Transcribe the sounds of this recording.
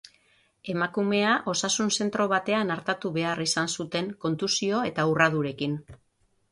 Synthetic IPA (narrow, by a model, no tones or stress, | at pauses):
e̞makume̞aʔo̞sasunse̞nt̪ɾo̞β̞at̪e̞anaɾt̪at̪uβe̞arisansut̪e̞ŋko̞nt̪usio̞e̞t̪aurað̞uɾe̞kin